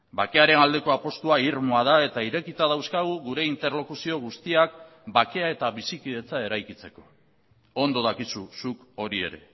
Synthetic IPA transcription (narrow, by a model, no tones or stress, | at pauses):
bake̞aɾe̞nald̪e̞ko̞apo̞st̪uaiɾmoað̞ae̞t̪aiɾe̞kit̪að̞awskaɣuɣuɾe̞int̪e̞ɾlo̞kusio̞ɣ̞ust̪iak̚ | bake̞ae̞t̪aβisikiðe̞t͡sae̞ɾajkit͡se̞ko̞̥ | o̞nd̪o̞ðakisusuko̞ɾie̞̰ɾe̞̰